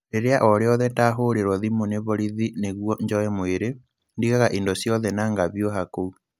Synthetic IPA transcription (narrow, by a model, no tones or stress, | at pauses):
eɾeaʔɔɾeɔðɛtaɦoːɾeɾwɔðimoneβɔɾiðineɣwɔɲd͡ʒɔɛmoeɾe | ndiɣaɣaʔindɔsjɔðɛnaːŋɡaβjoɦakou